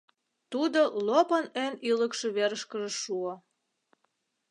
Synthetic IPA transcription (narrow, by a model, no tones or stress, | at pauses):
t̪ud̪olopənøniləkʃeβeɾəʃkəʒĕʃuo